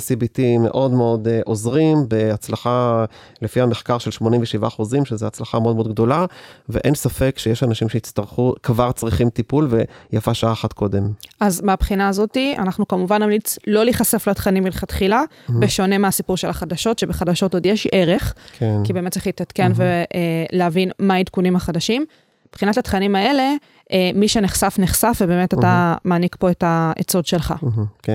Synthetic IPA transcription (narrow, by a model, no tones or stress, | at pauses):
sibitimːḛʔo̞dmeo̞deʔo̞zʁimbeat͡slaχa | lefiameχkaʁʃelʃmo̞nimveʃivaχuzimʃezeat͡slaχameodmdɡ̚do̞laveʔensafe̞kʃejeʃanaʃimʃeit͡st̪aʁχukvaʁt͡sʁiχimt̪ipulvejafaʃaaːχat̪kʰo̞d̪e̞mazmeabχinaːzo̞tia̰naχnukamuvanːamlit͡slo̞liχase̞flatχanimilχatχila | beʃo̞ne̞measipuʁʃe̞laχadaʃo̞tʃe̞beχadaʃo̞to̞djeʃʔe̞ʁe̞χkʰekibe̞ːmet̪t͡se̥χlit̪at̪ke̞nve̞leavinmaidkunimhaχadaʃim | b̥χinatatχanimae̞le | ʔmiʃeneχsafneχsafvebe̞ːmetat̪amaːnikpo̞etaet͡so̞dʃe̞lχa̰k